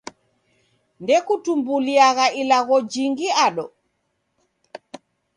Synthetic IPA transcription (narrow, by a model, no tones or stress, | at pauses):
ndɛkutumbuliaɣailaɣɔd͡ʒiŋɡiaɗɔ